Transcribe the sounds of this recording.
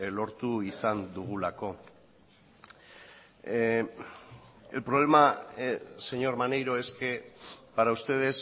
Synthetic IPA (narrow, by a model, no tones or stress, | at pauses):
lo̞ɾt̪uisand̪uɣulako̞ | elpɾo̞β̞le̞ma | se̞ɲo̞ɾmane̞jɾo̞e̞ske̞paɾaust̪e̞ð̞e̞s